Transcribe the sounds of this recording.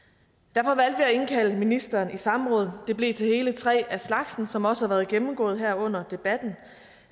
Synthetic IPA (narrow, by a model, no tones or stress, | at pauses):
d̥æɐ̰fɒ̽ʋæl̰d̥ʋiæe̝nkʰæl̰əminisd̥ɐːnʔisɑ̈mʁɔ̽ːð̞ˠd̥e̝b̥le̝̰ːt͡sʰe̝he̝ːlət͡sʰʁɛ̰ːæslɑ̈ɡ̥sn̩sɒ̽mɒ̽səhɑ̈ʋæːɐð̞ˠɡ̥emm̩ɡ̥ɔ̰̽ːð̩ˠɦæɐ̰ɔ̽n̰ɐd̥e̝b̥æd̥n̩